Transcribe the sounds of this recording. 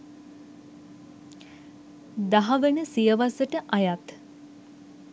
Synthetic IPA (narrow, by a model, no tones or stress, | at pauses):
d̪aɦɐʋenəsijəʋasəʈəʔajat̪